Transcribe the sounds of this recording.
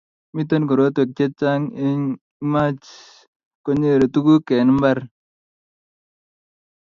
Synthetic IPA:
mi˦t̪o˦nɡo˨ɾo˨˦t̪we˨k̚t͡ʃe˦t͡ʃa˦ŋe˦ɲ˦ | ma˦t͡ʃ | ko˦ɲe˦˨ɾo˨t̪u˦ɡu˦ke˨nmba˦ɾ

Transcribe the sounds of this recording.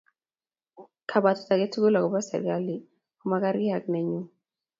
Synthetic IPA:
kʰa˨ba˨tɔ̥˨ta˨ɡe˦tu˦ɡo˦la˨kɔ˨ba˦sɛ̰˨ɾɡa˦li˨ | ko˦ma˦ka˦ɾɪ˦a˨k̚nɛ˨ɲu˦

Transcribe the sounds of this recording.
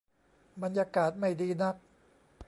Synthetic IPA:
ba˧njaː˧kaː˨˩t̪̚ma˥˩jdiː˧na˦˥k̚

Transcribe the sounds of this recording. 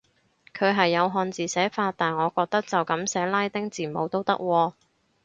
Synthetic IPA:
kʰɵ˨˧ɥɦɐ˨jːɐ˨˧wɦɔː˧nt͡siː˨sɛː˨˥faː˧tt̪ːaː˨nŋɔː˨˧kɔː˧k̚t̪ɐ˥k̚t͡sɐ˨wkɐ˨˥msɛː˨˥laː˥jt̪ɪ˥ŋt͡siː˨˩mo˨˧wt̪o˥wt̪ɐ˥k̚wɔː˧

